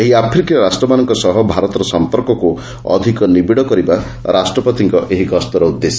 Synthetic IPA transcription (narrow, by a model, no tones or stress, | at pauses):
eɦiapʰɾikiɔɾasʈɾɔmanɔŋkɔsɔɦɔbʱaɾɔt̪ɔɾɔsɔmpɔɾkɔku | ɔ̰d̪ʱikɔnibiɽɔkɔɾiba | ɾʔasʈɾɔpɔt̪iŋkɔʔeɦiɡɔst̪ɔɾɔud̪ːesɔ